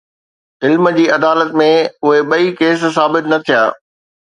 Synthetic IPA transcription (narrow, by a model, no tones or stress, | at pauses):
ɪlmd͡ʑiːɐd̪aːlət̪mẽʊɦeɓɐikeːssaːbɪt̪nɐt̪ʰijaː